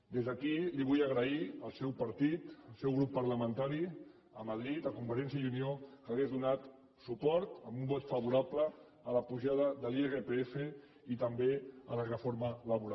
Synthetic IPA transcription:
d̪ezðəkiliβujəɣɾəiəlˠsɛwpɐɾt̪it̪əlˠsɛwɣɾupːəɾləmənt̪aɾi | əmaðɾit̪akumfəɾɛns̬jəjuniokəɣezðunat̪ | supɔɾt̪əmbumbɔt̪fɐβuɾapləː | ləpuʒað̞əðəlieɣepeefe | it̪əmbeələrəfoɾmələβuɾa

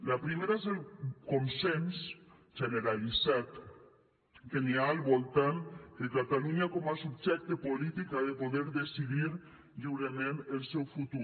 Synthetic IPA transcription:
lapɾimeɾaezelkonsens | ʒeneɾalisat̪ | keneaːlβolt̪and̪ekat̪aluɲakɔmasubʒɛk̚t̪epolit̪ikaðepoðeɾðesiðiɾ | ʎiwɾemenelsewfut̪u

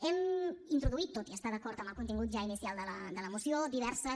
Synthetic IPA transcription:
ɛmint̪ɾuðuit̪ːot̪iəst̪aðəkɔɾt̪əmbəlˠkunt̪iŋɡut̪ʒainisjalˠd̪ələd̪ələmusiod̪iβɛɾsə

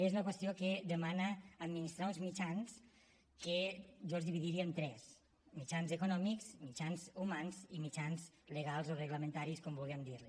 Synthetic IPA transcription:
ezunakwest̪ioked̪emanaːd̪minist̪ɾauzmit͡ʃans | keʒɔzðiβiðiɾiaent̪ɾɛs | mit͡ʃanzekunɔmikzmit͡ʃanzumanzimit͡ʃanzleɣalˠzoreɣləmẽnt̪aɾiskɔmbuliemd̪iɾli

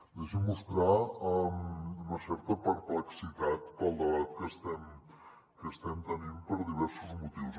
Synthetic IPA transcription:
d̪ɛʃəmːust̪ɾaəmunəsɛɾt̪əpəɾpləksit̪at̪pəlˠd̪əβat̪kəst̪ɛm | kəst̪ɛmt̪əninpəɾðiβɛɾsuzmut̪iws

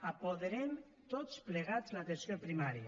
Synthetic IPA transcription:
ɐpoðeɾen | t̪ot̪spleɣaznɐt̪ensjompɾimaɾiɐ

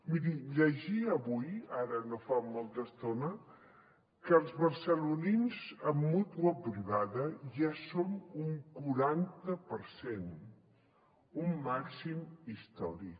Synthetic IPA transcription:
miɾiʎəʒiəβujaɾənofamːolˠt̪əst̪onə | kəlˠzβəɾsəluninzəmːut̪wəbɾiɣaðəʒasomuŋkuɾant̪əpəɾsen | umːaksimist̪ɔɾik

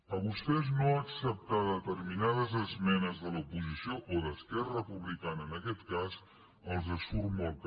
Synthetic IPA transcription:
əβust̪ɛznoəksəp̚t̪aðət̪ərminað̞əzəzmɛnəzðələupuzisioʔoðəskɛrəpuβlikanəːnəkɛt̪kaz | əlˠzəsuɾmɔlˠt̪

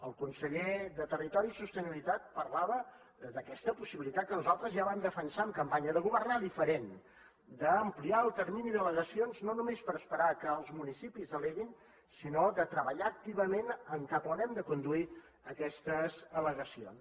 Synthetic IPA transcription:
əlˠkunsəʎeðət̪ərit̪ɔɾiːsust̪əniβilit̪at̪̚pərlaβə | d̪əkɛst̪əpusiβilit̪at̪̚kənuzalˠt̪ɾəzʒaβamd̪əfənsaəmkəmpaɲəðəɣuβərnaðifəɾen | d̪əːmpliaəlˠt̪əɾminiðələɣəsionznonumespəɾəspəɾakəːlˠzmunisipizəleɣin | sinoðət̪ɾəβəʎaək̚t̪iβəmenəŋkəpuɾɛmd̪əkund̪ui | əkɛst̪əzələɣəsions

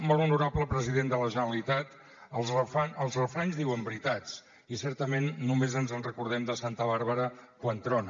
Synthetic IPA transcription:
mbɔlunuɾapləpɾəziðend̪ələʒənəlit̪at̪ | əlˠzrəfanəlˠzrəfɾanzðiwəmbɾit̪at͡s | isɛɾt̪əmenːumezənzənrəkuɾð̞ɛmd̪əsant̪əβaɾβəɾəkwənt̪ɾɔnə

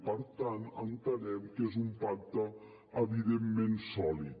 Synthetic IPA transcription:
pəɾt̪anə̰nt̪əlɛmkezumpak̚t̪ə | əβiðemːensɔlit̪

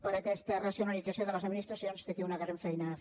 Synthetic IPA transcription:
pəɾəkɛst̪ərəsiunalidd͡zəsjoðələzəd̪minist̪ɾəsionst̪ekiunəɣɾaɱfɛjnə

